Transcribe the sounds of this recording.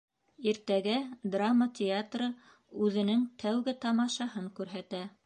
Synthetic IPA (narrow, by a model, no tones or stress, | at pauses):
iɾt̪æɡæd̪ramːətʲeat̪rɤ | ʉðɘ̆nɘŋt̪ʰæwɡɘt̪ɑmɑʃɑɦɤŋkʉɾɦæt̪æ